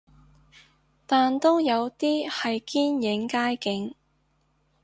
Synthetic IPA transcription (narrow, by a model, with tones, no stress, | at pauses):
t̪aː˨nt̪o˥wjɐ˨˧wt̪iː˥hɐ˨jkiː˥njɪ˨˧˥ŋkaː˥jkɪ˨˧˥ŋ